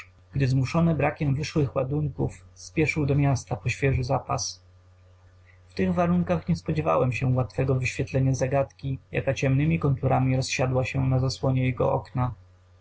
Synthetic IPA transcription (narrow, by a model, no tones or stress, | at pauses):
ɡ̥d̪ɘzmuʂɔnɛbɾakʲɛmvɘʂwɘxwad̪uŋkufspʲjɛʂɘwd̪ɔmʲjast̪apɔɕfʲjɛʐɘzapa̰s | ft̪ɘɣvaɾuŋkaxɲɛspɔd͡ʑɛva̰wɛmɕɛwat̪fɛɡɔvɘɕfʲjɛt̪lɛɲazaɡat̪kʲija̰kat͡ɕɛmnɘmʲikɔnt̪uɾamʲiɾɔsɕad̪waɕɛnazaswɔɲɛjɛɡɔ̰ʔɔ̰kna